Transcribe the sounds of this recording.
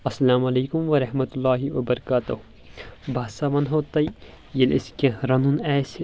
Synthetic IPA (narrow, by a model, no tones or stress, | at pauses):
ɐsːɐlaːmɐleːkʊmʋɐɾɐɦmɐt̪ulːaːɦiʋɐbɐɾɐkaːt̪ɐɦ | bʱaːsamɐnɦoːt̪ɐi | jɐlɪ̰skẽɾɐnunɛːs